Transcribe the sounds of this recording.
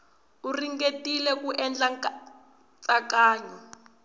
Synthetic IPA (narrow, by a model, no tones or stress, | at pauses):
uriŋɡetilɛkuʔɛnd͡ɮa | t͡sakaːɲɔ